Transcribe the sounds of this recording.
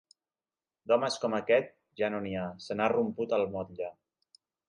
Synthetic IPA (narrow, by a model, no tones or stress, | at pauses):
d̪ɔməskɔməkɛt̪̚ | ʒanoniasənarumput̪əlˠmɔt̪ʎa